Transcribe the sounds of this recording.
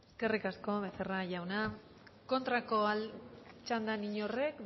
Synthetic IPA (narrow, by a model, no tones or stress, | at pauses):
eske̞rikasko̞βe̞seraʝawna | ko̞nt̪ɾakoalt͡ʃand̪aniɲo̞re̞k